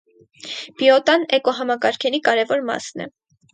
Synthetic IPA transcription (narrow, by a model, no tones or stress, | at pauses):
b̥iɔt̪ɑnɛkɔɦɑmɑkɑɾkʰɛɾikɑɾɛvɔɾmɑ̰snɛ̰